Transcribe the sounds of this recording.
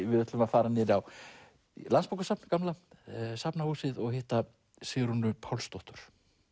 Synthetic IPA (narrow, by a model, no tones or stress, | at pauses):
vɪðɛht̪lʏmaðfaːɾanɛɾaw | lanspawkasapnkamlasapnahuːsɪðɔɣhɪht̪a | sɪɣɾunʏpʰawlst̪ɔht̪ʏɾ̥